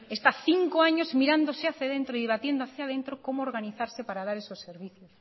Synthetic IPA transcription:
est̪aθiŋkoaɲozmiɾand̪oseaθaðent̪ɾoiðeβat̪jend̪oaθjað̞ent̪ɾokomooɾɣaniθaɾsepaɾaðaɾesoseɾβiθjos

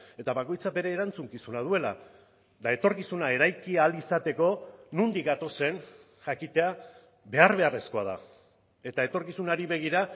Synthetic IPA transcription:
e̞t̪aβako̞jt͡sabe̞ɾe̞ːɾant͡suŋkisunað̞ue̞la̰ | d̪ae̞t̪o̞ɾkisunae̞ɾajkialisat̪e̞ko̞nund̪ikɡat̪o̞se̞n | ʝakit̪e̞a | be̞aɾβ̞e̞are̞sko̞að̞a̰ | e̞t̪ae̞t̪o̞ɾkisunaɾiβe̞ɣ̞iɾa

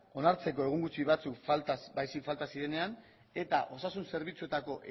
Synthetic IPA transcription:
o̞naɾt͡se̞ko̞e̞ɣ̞uŋɡut͡siβat͡sukfalt̪asbajsikfalt̪asiðe̞ne̞an | e̞t̪aʔo̞sasunse̞ɾβ̞it͡sue̞t̪ako̞ʔ

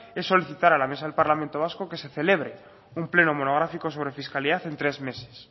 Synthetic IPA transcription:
e̞sːo̞liθit̪aɾalame̞s̬aðelpaɾlament̪o̞β̞asko̞ke̞se̞θe̞le̞β̞ɾe̞ | umple̞no̞mo̞no̞ɣ̞ɾafiko̞so̞β̞ɾe̞fiskaliðaθe̞nt̪ɾe̞zme̞se̞̥s

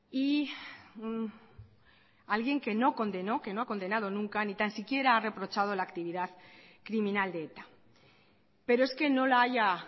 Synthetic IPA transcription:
i | n | alɣje̞ŋke̞no̞ko̞nd̪e̞no̞ke̞no̞ako̞nd̪e̞nað̞o̞nũŋkanit̪ansikje̞ɾaare̞pɾo̞t͡ʃað̞o̞laːkt̪iβiðaðkɾimĩnald̪eet̪ḁ | pe̞ɾoe̞ske̞no̞laaʝa

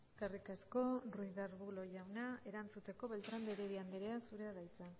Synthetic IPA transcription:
eskerikasko̞rujðaɾβulo̞ʝawnae̞ɾant͡sut̪e̞ko̞βe̞lt̪ɾand̪eɾeβiand̪eɾeasuɾe̞aðajt͡sa

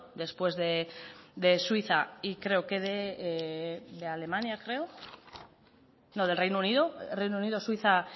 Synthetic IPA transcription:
d̪e̞spwe̞zðe̞d̪e̞swiθaikɾe̞okeðe | ðeale̞mãnjakɾe̞o | noð̞e̞lrejnouniðorejnouniðoswiθa

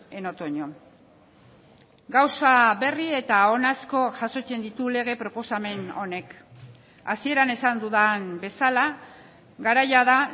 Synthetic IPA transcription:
eno̞t̪oɲo̞ | ɡawsaβe̞rie̞t̪ao̞nasko̞ʝaso̞t͡ʃe̞nd̪it̪ule̞ɣ̞e̞pɾo̞po̞same̞no̞ne̞k | asie̞ɾane̞sand̪uðanbe̞sala | ɡaɾajaða

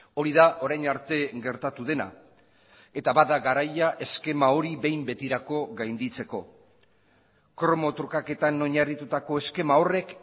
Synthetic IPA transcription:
o̞ɾiðaʔo̞ɾajnaɾt̪e̞ɡe̞ɾt̪at̪uðe̞na̰ | e̞t̪aβaðaɣaɾajaʔe̞ske̞mao̞ɾiβe̞jmbe̞t̪iɾako̞ɣajnd̪it͡se̞ko̞ | kɾo̞mo̞t̪ɾukake̞t̪anoɲarit̪ut̪ako̞e̞ske̞mao̞re̞k

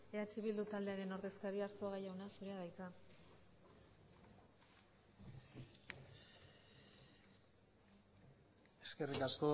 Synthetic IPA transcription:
eat͡ʃiβild̪ut̪ald̪e̞aɾe̞no̞ɾðe̞skaɾiaɾt͡soɣajawnasuɾe̞aðajt͡s̪a | e̞ske̞rikasko̞

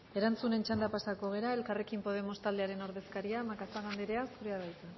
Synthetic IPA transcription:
e̞ɾant͡sune̞nt͡ʃand̪apasako̞ɣ̞e̞ɾae̞lkare̞kimpo̞ð̞e̞mo̞st̪ald̪eaɾe̞no̞ɾðe̞skaɾiamakasaɣand̪eɾe̞asuɾeaðat͡s̪e

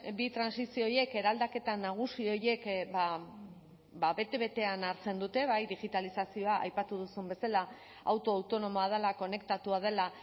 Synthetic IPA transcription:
bit̪ɾansisio̞je̞ke̞ɾald̪ake̞t̪anaɣ̞usio̞je̞kba | baβe̞t̪e̞βe̞t̪e̞anaɾt͡se̞nd̪ut̪e̞βajðiɣit̪alisasio̞aʔa̰jpat̪uð̞usumbe̞sala | a̰wt̪o̞awt̪o̞no̞mo̞að̞elako̞ne̞kt̪at̪uað̞e̞la

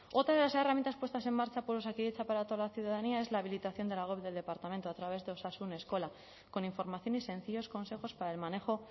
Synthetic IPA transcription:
o̞t̪ɾaðe̞laseramjent̪aspwe̞st̪as̬e̞mːaɾt͡ʃapoɾosakiet͡ʃapaɾat̪o̞alaθjuðaðaniae̞zlaːβ̞ilit̪aθjo̞nd̪elaɣwe̞βðeld̪e̞paɾt̪ament̪oat̪ɾaβ̞e̞zðeo̞sasune̞sko̞la | ko̞niɱfo̞ɾmaθjo̞nise̞n̟θiʎo̞sko̞nse̞xo̞spaɾaelmane̞xo̞

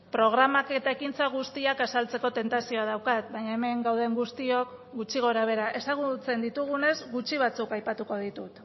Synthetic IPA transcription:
pɾo̞ɣ̞ɾamake̞t̪aekint͡saɣ̞ust̪iakasalt͡se̞ko̞t̪e̞nt̪asio̞að̞awkat̪baɲae̞me̞ŋɡawð̞e̞ŋɡust̪io̞kɡut͡ʃiɣ̞o̞ɾaβ̞e̞ɾaʔe̞saɣ̞ut͡se̞nd̪it̪uɣ̞une̞zɡut͡ʃiβ̞at͡sukajpat̪uko̞ðit̪ut̪

